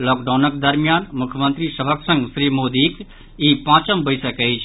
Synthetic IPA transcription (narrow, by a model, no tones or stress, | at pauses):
lɔːkɖaːnək̚d̪ɐɾmjaːnmʊkʰjəmənt̪ɾiːsɐbʱəksɐ̃ŋɡsɾiːmoːd̪iːk | iːpãːt͡ʃəmbəjsɐkəit͡ʃʰ